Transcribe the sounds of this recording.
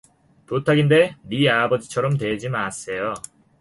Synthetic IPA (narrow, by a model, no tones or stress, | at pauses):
totʰaɡinde̞miabʌd͡ʑit͡ɕʰʌɾʌmtwe̞d͡ʑimas͈e̞jo